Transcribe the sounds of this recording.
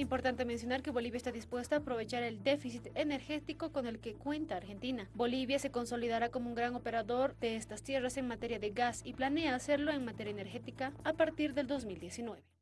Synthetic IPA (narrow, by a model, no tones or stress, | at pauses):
impo̞ɾt̪ant̪e̞mens̬jo̞naɾke̞βo̞liβjaest̪aðispwe̞st̪aːpɾo̞β̞e̞t͡ʃaɾe̞ld̪e̞fisit̪ene̞ɾxe̞t̪iko̞ko̞ne̞lke̞kwe̞nt̪aːɾxe̞nt̪inabo̞liβjase̞ko̞nso̞liðaɾako̞mouŋɡɾaŋo̞pe̞ɾaðo̞ɾd̪eest̪ast̪je̞rase̞ŋmat̪e̞ɾjaðe̞ɣasiplane̞aːse̞ɾloe̞ŋmat̪e̞ɾjaene̞ɾxe̞t̪ikaːpaɾt̪iɾðeld̪o̞zmild̪je̞sinwe̞βe̞